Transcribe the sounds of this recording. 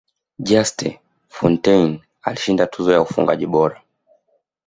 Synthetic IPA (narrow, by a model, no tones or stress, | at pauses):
ʄastɛ̰ | fɔntɛjn | aliʃindatʰuzɔjaufṵŋɡa̰ʄiɓɔɾa